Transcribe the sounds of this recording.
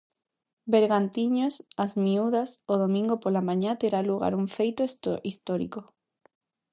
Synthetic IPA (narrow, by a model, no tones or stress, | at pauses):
beɾɣant̪iɲosazmiuðasoðomĩŋɡopolamãɲãt̪eɾaluɣa̰ɾuɱfejt̪osist̪oɾḭko